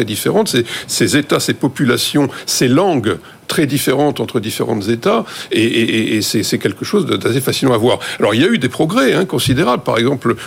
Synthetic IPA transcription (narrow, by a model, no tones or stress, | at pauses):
ɛd̪ifeʁɑ̃t̪sesezet̪asepɔpylasjɔ̃selɑ̃ɡ | t̪χɛd̪ifeʁɑ̃t̪ɑ̃t̪χəd̪ifeʁɑ̃t̪zet̪aeeʔeʔesɛsɛkʲɛlkəʃozd̪əd̪asefasilɑ̃avwaːʁalɔʁiljayd̪epχɔɡʁɛɛ̃kɔ̃sid̪eʁablpaʁɛɡzɑ̃pl